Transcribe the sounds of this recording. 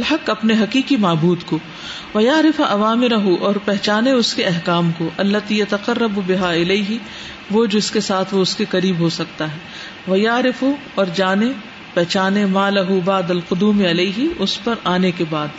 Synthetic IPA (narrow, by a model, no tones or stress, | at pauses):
lɦɐqɐpneɦɐqiːkimaːbuːd̪ko | ʋɐjaːɾɪfaʔɐʋaːmɪɾɐɦuʔɔːɾpɛɦt͡ʃaːneʊskeɐɦkaːmkoʔɐlːɐt̪ijɐt̪ɐqɐrːɐbbɪɦaɪleɪɦi | ʋod͡ʒɪɪskesaːt̪ʰʋoʊskeqɐɾiːbɦosɐk̚t̪aɦɛː | ʋɐjaːɾɪfu | ɔːɾd͡ʒaːne | pɛɦt͡ʃaːnemaːlɐɦubaːd̪ɐlqʊd̪uːmeɐleiɦiʊspɐɾaːnekebaːd̪